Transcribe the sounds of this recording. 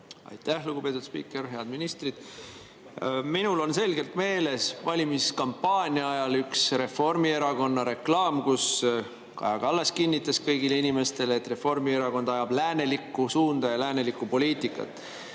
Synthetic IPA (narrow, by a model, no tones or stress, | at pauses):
ɑ̰jt̪ˑːæhluɡ̥upe̞ːt̪ːˑud̪spḭːkːˑe̞rɦe̞ɑd̪minist̪rid̪̥ | minulo̞nse̞lɡ̥e̞lt̪me̞ːle̞svɑlʲimiskɑmpːɑːnʲiɑɑjɑlyksre̞fo̞rmie̞ɾɑɡo̞nːɑɾe̞klɑːmkus | kɑ̰jɑɡ̥ɑɑlːeskinʲːit̪ːˑɑskɤjɡile̞inime̞st̪e̞leet̪ːre̞fo̞rmie̞ɾɑɡo̞nd̪̥ɑjɑb̥læːne̞likːˑusuːnd̪̥ɑjɑlæːne̞likːˑupo̞liːt̪ikːˑɑ̰t̪ːˑ